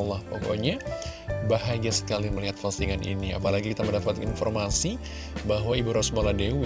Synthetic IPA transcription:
lahpɔko̰ɲa | baɦaɡasə̥kaliməliɦat̪̚fasiŋanḭnia̰palaɡikit̪aməndapat̪infɔrmasi | baɦwaibuɾɔsmoladew

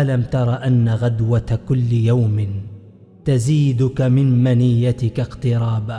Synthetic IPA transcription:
alamt̪ɑɾˤɑʔanːaɣad̪wakʊlːjawmɪ | t̪aziːd̪ʊkamɪnmanɪjːat̪ɪkaqt̪ɨɾˤɑːba

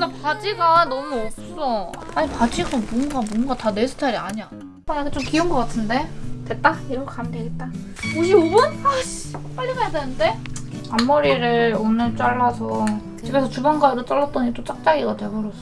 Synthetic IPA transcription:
dapad͡ʑiɡanʌmuʌp̚s͈ʌ | aɲipad͡ʑiɡabwʌŋɡabwʌŋɡatane̞sʰɯ̥tʰaɾiaɲia | anakʰet͡ɕ͈omkiuŋɡʌk͈atʰɯnde̞twe̞t̚t͈aiɾʌkʰamdeeɡet̚t͈a | oɕʰiobʌnmaɕip͈aʎːimajdanɯnde̞amːoɾiɾɯonɯnt͡ɕ͈aɭːasʰʌ | t͡ɕibesʰʌt͡ɕubanɡaɾot͡ɕ͈ʌɭːat͈ʌɲit͈ot͡ɕ͈ak̚t͡ɕ͈aɡiɡatwe̞boɾʌs͈ʌ

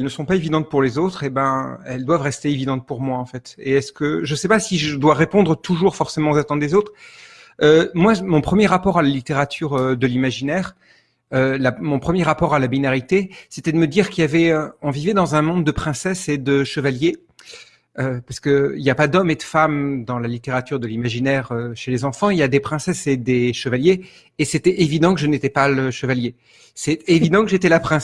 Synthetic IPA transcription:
ɛlnəsɔ̃paevid̪ɑ̃t̪̚puʁlezot̪χebɛ̃ɛld̪wavʁɛst̪eevid̪ɑ̃t̪̚puʁmwaɑ̃fɛt̪eɛskəʒəsɛpasiʒəd̪waʁepɔ̃d̪ʁət̪ʰuʒuʁfɔʁsemɑ̃ozat̪ɑ̃d̪ezot̪χ | ømwamɔ̃pχəmjɛʁapɔʁalalit̪eʁat̪ʰyʁød̪əlimaʒinɛʁ | ølamɔ̃pχəmjɛʁapɔʁalabinaʁit̪eset̪ɛd̪əməd̪iʁkʲiljavɛɔ̃vivɛd̪ɑ̃zɛ̃mɔ̃d̪ːəpχɛ̃sɛsed̪əʃəvalje | øpaʁskəiljapad̪ɔmed̪əfamd̪ɑ̃lalit̪eʁat̪yʁd̪əlimaʒinɛʁøʃelezɑ̃fɑ̃iljad̪epχɛ̃sɛsed̪eʃəvaljeː | sɛt̪ɛevid̪ɑ̃kəʒənet̪ɛpaləʃəvalje | sɛt̪evid̪ɑ̃kəʒet̪ɛlapχɛ̃s

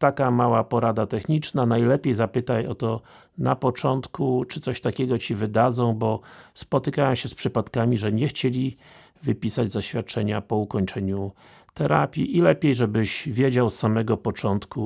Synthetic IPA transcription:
t̪akamawapɔɾad̪at̪ɛxɲit͡ʂnanajlɛpʲjejzapɘt̪ajɔt̪ɔ | napɔt͡ʂɔnt̪kut͡ʂɘt̪sɔɕt̪akʲɛɡɔt͡ɕivɘd̪ad̪zɔ̃w̃bɔspɔt̪ɘkawɛmɕɛspʂɘpat̪kamʲiʐɛɲɛxt͡ɕelʲi | vɘpʲisad͡ʑzaɕfʲjat̪̚t͡ʂɛɲapɔukɔɲt͡ʂɛɲu | t̪ɛɾa̰pʲjiʔilɛpʲjejʐɛbɘʑvʲjed͡ʑawsːamɛɡɔpɔt͡ʂɔnt̪ku

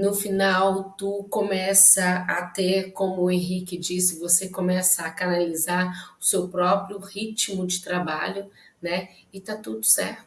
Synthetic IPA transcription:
nʊfinawt̪ukõmɛsɐːt̪eɾkõmʊːẽɦikɪd͡ʒisɪvosekomɛsɐːkanalizaɾʊsewpɾɔpɾjʊhit͡ʃimʊd͡ʒɪt̪ɾaba̰ʎʊ | nɛɪt̪at̪ud̪ʊ̥sɛ̰ɾt̪ʊ

